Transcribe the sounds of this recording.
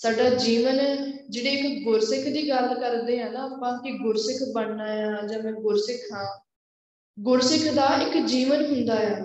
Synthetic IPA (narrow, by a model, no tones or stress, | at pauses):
saːɖaːd͡ʒiːʋənd͡ʒeːɽeːɪkɡʊɾsɪkʰd̪iːɡəlkəɾd̪eːɦãːnaːaːpãːkɪɡʊɾsɪkʰbəɳnaːjãːd͡ʒãːmɛ̃ːɡʊɾsɪkʰɦãː | ɡʊɾsɪkʰd̪aːʔɪkd͡ʒiːʋənɦʊnd̪aːɦaː